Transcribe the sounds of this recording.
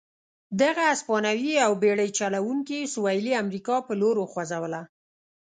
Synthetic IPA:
d̪aɣaaspɑnawiawbeɽəjt͡ʃalawuŋkisuwajliamɾikɑpəloɾoxwazawəla

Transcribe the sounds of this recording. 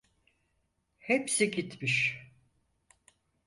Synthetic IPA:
hepsiɟit̪miʃ

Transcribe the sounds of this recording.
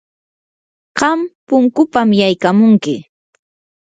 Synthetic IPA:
ɢɑmpʊŋkʊpamjajkamʊŋkɪ

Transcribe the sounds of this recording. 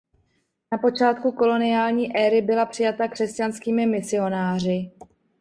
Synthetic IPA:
napo̞t͡ʃaːt̪̚kuko̞lo̞nɪjaːlɲiːʔɛːɾɪbɪlapr̥ɪjat̪akr̥ɛscanskiːmɪmɪsɪo̞naːr̝ɪ

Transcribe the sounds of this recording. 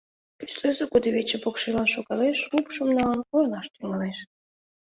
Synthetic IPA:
ke̥sløzekud̪eβʲet͡ɕĕpokʃilɑnʃoɣɑleʃupʃə̆mnɑlɑnkoɾnɑʃt̪yŋɑleʃ

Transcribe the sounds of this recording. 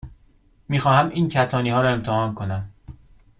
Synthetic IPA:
miːxɒːhæmʔiːncʰæt̪ʰɒːniːhɒːɾɒe̞mt̪ʰehɒːnkʰo̞næm

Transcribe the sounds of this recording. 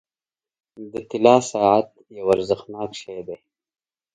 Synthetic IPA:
d̪ət̪ɪlɑːsaːʕat̪̚ | jawaɾzəxnɑːkʃajd̪eː

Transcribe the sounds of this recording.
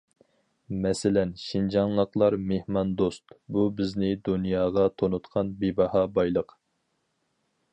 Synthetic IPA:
mɛsɪlɛnʃind͡ʒɑŋlˠəqlˠɑɾmehmɑnd̪ost̪bubɪznɪd̪unjɑːʁɑt̪ʰonut̪qʰɑnbebɑhɑbɑjlˠəq

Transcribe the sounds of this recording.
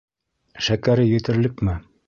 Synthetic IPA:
ʃækæɾɘjɵ̆t̪ɘ̆ɾlɘkmɘ

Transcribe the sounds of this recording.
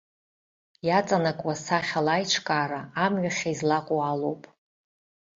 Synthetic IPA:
jat͡sʼanakʷʼwasaχʲalajʈ͡ʂʷʰkʼaːɾaːmɥaχʲaizlaqʷʼoalowpʼ

